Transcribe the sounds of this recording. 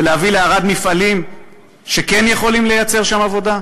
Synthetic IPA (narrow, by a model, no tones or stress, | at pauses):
leavileaʁad̪mifalim | ʃe̞kenjeχo̞limle̞jat͡se̞ʁʃamavo̞d̪a